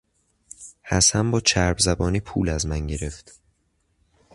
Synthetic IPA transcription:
hæsæmbɒːt͡ʃʰæɾbzæbɒːniːpʰṵːlæzmænɟe̞ɾe̞ft̪

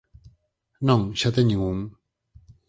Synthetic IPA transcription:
naŋɕat̪aɲiŋuŋ

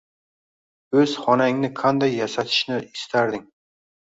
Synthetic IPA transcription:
ɵz̥χɒnaŋnɪqʰand̪ajːasat̪ʰɪ̥ʃnɪɪst̪ʰaɾd̪ɪŋ

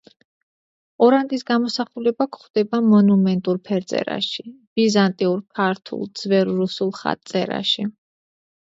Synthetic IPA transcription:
ɔɾant̪ʼisɡamɔsaχulɛbakʰχd̪̥ɛbamɔnumɛnt̪ʼuɾpʰɛɾd̪zʼɛ̰ɾa̰ʃib̥izant̪ʼiuɾkʰaɾt̪ʰṵlˠd̪z̥vɛɾːusulˠχa̰t̪ʼsʼɛ̰ɾa̰ʃi

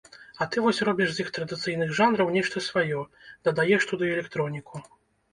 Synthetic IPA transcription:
ɐt̪ɨvɔsʲɾɔbʲiʂzjixt̪ɾɐd̪ɨt̪sɨjnɨɣʐanɾɐwnʲɛʂt̪ɐsvajɔd̪̥ɐd̪ajɛʂt̪ud̪ɨjuɛlʲɛkt̪ɾɔnʲiku

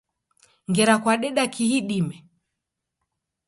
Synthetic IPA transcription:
ŋɡɛɾakwaɗɛɗakiɦiɗimɛ

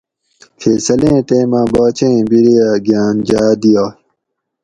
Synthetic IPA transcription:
kʰeːsɐlẽːt̪eːmãːbaːt͡ɕẽːbiɾiaɡjaːnd͡ʑaːd̪ijaː

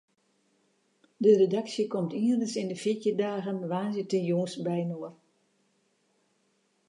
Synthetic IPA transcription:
dəredaksjəkɔmtʰiərdəsɪndəfikjədaːɣənʋaːnzɪtənjoŋsbɛjnoər

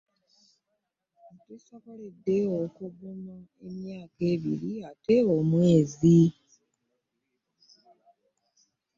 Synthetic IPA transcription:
tisakolidːeokuβunaemjaːke̞ːβiɾiateomwe̞ːzi

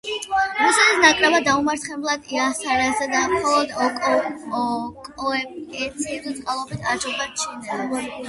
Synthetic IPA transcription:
musɛt̪isnakʼɾɛbad̪aumaɾt̪χɛblˠad̪̥iasaɾazɛd̪amχɔlˠɔd̪ɔkʼɔɔkʼɔɛɛt̪sʰiɛɾit̪sʼqʼalˠɔbit̪ʰad͡ʒɔbat͡ʃʰinɛ

